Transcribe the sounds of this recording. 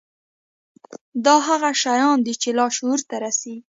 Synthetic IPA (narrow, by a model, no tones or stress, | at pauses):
d̪ɑɦaɣaʃajɑnd̪it͡ʃelɑʃuɾt̪aɾasi